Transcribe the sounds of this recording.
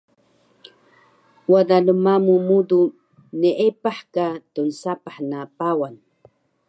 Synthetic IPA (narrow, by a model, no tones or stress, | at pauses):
wadaləmamumudu | nəʔepaħkatunsapaħnapawan